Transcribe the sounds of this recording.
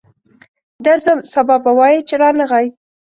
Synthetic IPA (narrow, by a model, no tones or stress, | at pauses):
d̪aɾzəmsabɑbawɑjit͡ʃeɾɑnəɣaj